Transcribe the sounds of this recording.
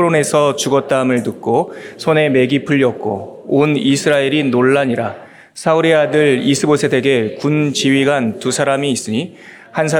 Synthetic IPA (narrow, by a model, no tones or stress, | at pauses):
ɾone̞sʰʌt͡ɕuɡʌt̚t͈amɯɭnɯk̚k͈osʰone̞me̞ɡipʰɯʎːʌk̚k͈o̰ | onisʰɯɾaeɾinoɭːaɲiɾa | sʰauɾiadɯɭisʰɯbosʰe̞de̞ɡe̞kunt͡ɕiɥiɡantusʰaɾamiːs͈ɯɲi | hansʰa